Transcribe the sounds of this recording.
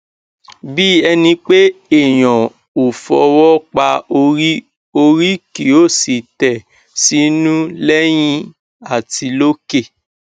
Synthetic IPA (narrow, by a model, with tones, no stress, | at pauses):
bi˦ɛ˧nĩ˧k͡pe˦e˦˨j̃ɔ̃˨ | o˨fɔ̰˨wɔ˦k͡pa˧o˧ɾi˦ | o˧ɾi˦ki˨˦o˦˨si˨tɛ˨ | si˦nũ˦lɛ˦j̃ĩ˦ | a˦˨ti˧lo˦ke˦˨